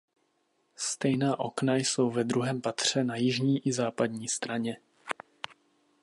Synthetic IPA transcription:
st̪ɛjnaːʔo̞knajso̞wvɛd̪ɾuɦɛːmpat̪r̝̥ɛnajɪʒɲiːʔɪzaːpadɲiːst̪ɾaɲɛ

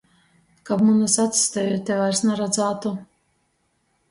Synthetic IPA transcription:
kabmunasat̪sʲi̥st̪ɛjot̪ʲːɛvajɾsnaɾad̪zaːt̪u

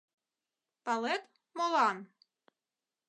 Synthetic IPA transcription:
pɑlˠet̪ | molˠɑn

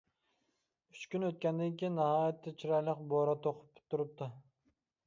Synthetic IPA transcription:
y̥t͡ʃkʲynøt̪̚kʲɛnd̪ɪŋkʲijinːɑhɑːjɛt̪ʰːɛt͡ʃʰiɾɑjlˠəqboɾɑt̪ʰoqʰʊ̥pt̪ʰːuɾɨp̚t̪ʰɨ

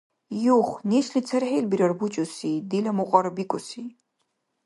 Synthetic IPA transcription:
joχʷneʃlit͡sʰɐrħelbiɾɐrbut͡ʃʼʊsid̪ilɐmuqʼɐɾbikʷʼɔsi

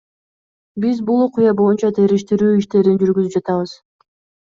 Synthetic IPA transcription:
bizbulˠoqʊjɑbo̞junt͡ʃɑt̪ʰe̞ɾiʃt̪iɾyːiʃt̪e̞ɾind͡ʒyɾɡyzyp̚d͡ʒɑt̪ɑβɯz̥

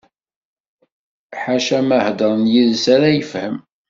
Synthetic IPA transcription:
ħaʃæməhd̪əɾˤnjiðsæɾæjəfhəm

